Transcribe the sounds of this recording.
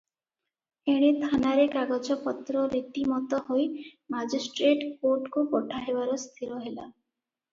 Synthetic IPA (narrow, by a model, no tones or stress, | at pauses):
eɽ̃et̪ʰanaɾekaɡɔd͡ʒɔpɔt̪ɾɔɾit̪imɔt̪ɔhojmad͡ʒisʈɾeʈkoɾʈkupɔʈʰaɦebaɾɔst̪ʰiɾɔɦela